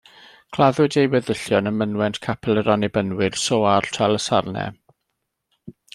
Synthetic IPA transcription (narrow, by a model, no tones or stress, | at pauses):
kʰlˠaðʊdejwɛðəɬjɔnəmənwɛntkʰapʰɛlˠəɾɔnɪbənwɪrsoːartʰalˠəsa̰rnɛ̰